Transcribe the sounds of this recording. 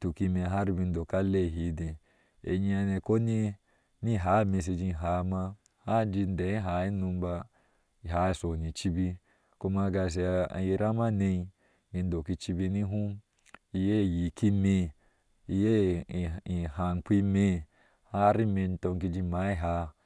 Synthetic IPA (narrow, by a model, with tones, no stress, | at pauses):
tu˨ki˧me˧ɦa˦ɾi˧bi˧n̩˦do˨ka˦le˦˨ɦi˨˦dẽ˨ | ḛ˨ɲi˦˧a˧ne˧ko˦ni˦ | ni˦ɦa˨˦me˧s̬e˧d͡ʒi˧˨ɦa˨˦ma˧ | ha˦d͡ʒi˧n˦de˨i˦ɦa˨˦i˦nu˧m˦ba˧ | i˨ɦa˨˦i˨so˨ni˨t͡ʃi˧bi˧ | ko˧ma˧ɡa˧s̬ḛ˧˨ji˧ɾa˦ma˦ne˧i˧ | ɡi˧n˦do˨ki˧t͡ʃi˧bi˧ni˦ɦu˦ | i˧je˦˨ji˨ki˦me˧ | i˧je˦˨ | i˨ha˨n˨k͡pʷi˧me˧ | ha˦ɾi˦me˧n˦to˧ŋ˦k̬i˧d͡ʒi˧ma˨˦i˦ɦa˧˦